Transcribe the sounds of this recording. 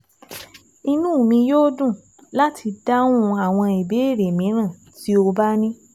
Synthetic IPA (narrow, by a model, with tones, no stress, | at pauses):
i˦˧nũː˦˨mĩ˧joː˦dũ˦˨ | la˦tʰi˧da˦wũ˦˧a˨w̃ɔ̃˧e˨be˨˦e˦˨ɾe˨mĩ˨˦ɾ̃ã˦˨ | ti˦o˧ba˦nĩ˦